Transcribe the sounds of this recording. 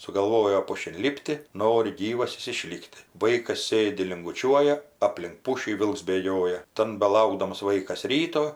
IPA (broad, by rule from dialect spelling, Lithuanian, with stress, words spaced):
sʊɡɐlˠˈʋoːjoː ˈpʊʃʲɪn ˈlʲɪpʲtʲɪ ˈnoːrʲɪ ˈɡʲiːʋɐs ˈjɪs ɪˈʃʲlʲɪktʲɪ ˈʋɐɪkɐs ˈsʲeːdʲɪ lʲɪŋɡʊˈt͡ʃʲuɔjɛ ˈɑːpʲlʲɪŋk ˈpʊʃʲiː ˈʋʲɪlˠks bʲeːˈɡʲoːjɛ ˈtɐn bʲɛˈlˠɐʊɡdɐms ˈʋɐɪkɐs rʲiːtoː